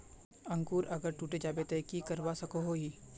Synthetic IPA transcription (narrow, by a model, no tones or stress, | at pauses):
ɐ̃ŋkuːɾʔɐɡəɾʈuːʈed͡ʒaːbet̪ekikɐɾwasɐkoɦoɦiː